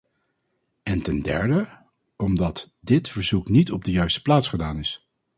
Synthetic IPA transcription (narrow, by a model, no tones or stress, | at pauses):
ɛntɛndɛ̰ɹdə | ɔmdɑt | dɪtfəɹzuknitɔb̚dəjœɥstə̥plaːtsχədaːnɪs